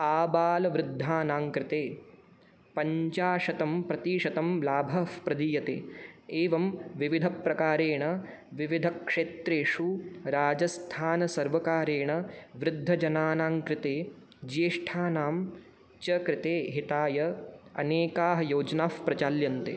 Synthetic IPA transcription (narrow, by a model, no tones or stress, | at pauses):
aːbaːlɐʋɾɪd̪ʱːaːnaːŋkɾɪt̪eː | pɐɲt͡ʃaːʂɐt̪ɐmpɾɐt̪iːʂɐt̪ɐmlaːbʱɐfpɾɐd̪iːjɐt̪ḛːeːʋɐmʋiʋid̪ʱɐpɾɐkaːɾeːɳɐ | ʋiʋid̪ʱɐkʂeːt̪ɾeːʂuɾaːd͡ʒɐst̪ʰaːnɐsɐɾʋɐkaːɾeːɳɐʋɾɪd̪ʱːɐd͡ʒɐnaːnaːŋkɾɪt̪eː | d͡ʒieʂʈʰaːnaːm | t͡ʃɐkɾɪt̪eːɦit̪aːjɐɐ̰neːkaːɦɐ̆joːd͡ʒnaːfpɾɐt͡ʃaːljɐnt̪ḛː